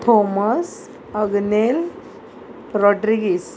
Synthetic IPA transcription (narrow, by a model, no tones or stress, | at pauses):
t̪ʰomas | əɡnel | ɾɔɖɾiɡis